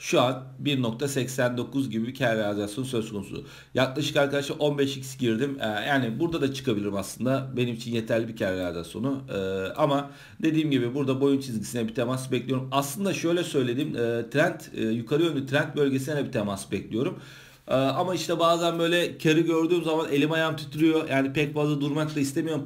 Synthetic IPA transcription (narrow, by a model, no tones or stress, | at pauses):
ʃuan | biɾno̞k̚t̪ʰasɛcsænd̪o̞kʰuzɟibibicʰæɾɾɛazaso̞nusø̞z̥kʰo̞nṵsṵ | jaklˠaʃɯkaɾkʰad̪aʃlˠaɾʔo̞nbɛʃicsɟiɾd̪imːjaːnibuɾd̪ad̪at͡ʃʰɯ̥kʰabilʲiɾimaslˠɯnd̪abe̞nimit͡ʃʰinje̞t̪ʰæɾlʲibicʰæɾlɛaza̰so̞̰nʊɯːama | d̪e̞d̪iːmɟibibuɾd̪abo̞junt͡ʃʰizɟisinɛbit̪ʰemasbɛclʲijo̞ɾumaslˠɯnd̪aʃø̞jlʲɛsø̞jle̞d̪iːmːt̪ʰɾænt̪ːjukʰaɾɯjønyt̪ʰɾænt̪̚bø̞lʲɟesinɛd̪ɛbit̪ʰemasbɛclʲijo̞ɾum | ɯːamaiʃt̪ɛbaːzænbø̞jlʲɛcʰaɾɯɟø̞ɾd̪yːmzamane̞lʲimajamt̪ʰyt̪ʰyɾyjo̞jʔaːnipʰɛcfazlˠad̪uɾmaklˠaist̪e̞mijo̞ɾum